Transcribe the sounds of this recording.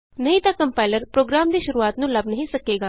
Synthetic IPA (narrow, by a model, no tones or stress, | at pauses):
nəɦit̪jakəmpajləɾpɾoɡɾamd̪iɕuɾuʋat̪nuːlabnəɦisəkːeɡa